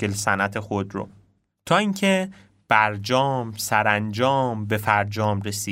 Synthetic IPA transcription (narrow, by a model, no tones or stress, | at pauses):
elsænæt̪ʰe̞xod̪ɾo̰ | t̪ʰɒːiːŋcʰe | b̥æɾd͡ʒɒːmsæɾænd͡ʒɒːmbe̞fæɾd͡ʒɒːmɾesiː